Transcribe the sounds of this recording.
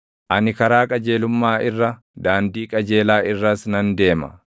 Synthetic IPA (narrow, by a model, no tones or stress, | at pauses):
ʔɐnɪkɐɾaːkʼɐd͡ʒe̞ːlʊmːaːʔɪrːɐ | d̪aːnd̪iːkʼɐd͡ʒeːlaːʔɪrːɐsnɐnd̪e̞ːmɐ̰